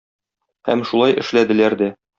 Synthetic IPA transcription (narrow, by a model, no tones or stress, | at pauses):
hæ̰mʃulˠɑjʔɘ̆ʃlæd̪ɘ̆læɾd̪æ